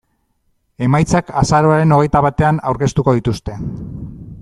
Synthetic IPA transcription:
e̞majt͡sakasaɾo̞aɾe̞no̞ɣe̞jt̪aβat̪e̞ana̰wɾke̞st̪uko̞ð̞it̪ust̪e̞

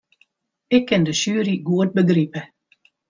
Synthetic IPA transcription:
ɪkʰːɪndəsyːɾiɡuət̚bəɡripə

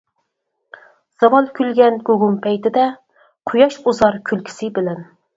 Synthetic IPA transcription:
z̥ɑwɑlˠkʲylɡʲɛnɡʲoɡumpʰɛjt̪ɪd̪ɛ | qʰojɑʃuzɑɾkʲʰylkʲʰi̥sɪbɪlɛn

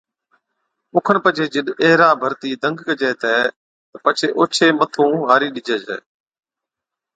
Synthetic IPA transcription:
ʊkʰənpət͡ʃʰeːd͡ʒəɗɛːɾaːbʱəɾt̪iːd̪ʱə̃ŋɡkəd͡ʒeːt̪ʰɛː | t̪əpət͡ʃʰeːʔoːt͡ʃʰeːmət̪ʰũːɦaːɾiːɗɪd͡ʒeːd͡ʒɛ̰ː

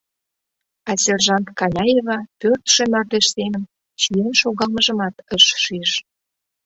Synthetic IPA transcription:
ɑsʲerʒɑnt̪kɑlʲɑjevɑpørt̪ʃĕmɑrd̪eʃsemən | t͡ɕijenʃoɣɑlmə̆ʒə̆mɑt̪əʃʃiʃ

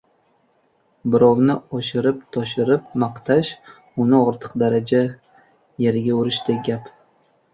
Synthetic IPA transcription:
bɪɾɒwnɪɒʃɪɾɪp̚t̪ʰɒʃɪɾɪp̚mɑqt̪ʰaʃ | ʊnɪɒɾt̪ʰɨ̥qd̪aɾad͡ʒa | je̞ɾɡʲaʊɾɪʃd̪eɡʲap

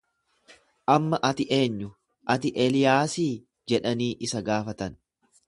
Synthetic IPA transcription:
ʔɐmːɐʔɐt̪ɪʔe̞ːɲːʊ | ʔɐt̪ɪʔelɪjaːsiː | d͡ʒɛᶑɐniːʔɪsɐɡaːfɐt̪ɐn

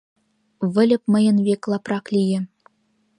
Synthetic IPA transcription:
βɘ̆lʲɘ̆p̚mɤ̆jɤ̆nβeklˠɑprɑklʲijɘ̆

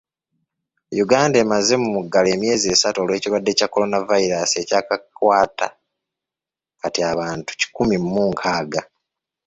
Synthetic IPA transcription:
juɡaːndae̞ːmaze̞mumuɡale̞ːmje̞ːzie̞ːsatuoːlwe̞ːciwadːe̞cakːo̞lo̞navaiɾasie̞caːkakwaːtʰa̰ | katiaβaːntu̥ci̥kumimːuːŋkʰaːɡa

